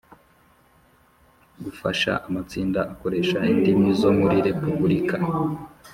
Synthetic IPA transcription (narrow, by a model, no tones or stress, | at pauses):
ɡufaʃa̰ʔamat͡siːndaʔako̞ɾe̞ːʃaindimizo̞muɾiɾe̞pubuɾika